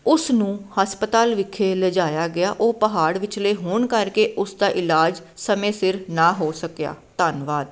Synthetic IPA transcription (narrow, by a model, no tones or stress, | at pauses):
ʊsnũːhaspət̪aːlʋɪkʰːeːləd͡ʒaːjaːɡɪaːʔoːpəɦaːɽʋɪt͡ʃləeːɦʊɳkəɾkeːʔʊsd̪aːʔɪlaːd͡ʒ | səmẽːsɪɾnaːɦoːsəkja̰ːt̪aːnʋaːd̪